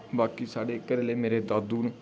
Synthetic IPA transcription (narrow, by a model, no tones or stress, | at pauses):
baːkiːsaːɽeːkəɾeːleːmeːɾeːd̪aːd̪uːn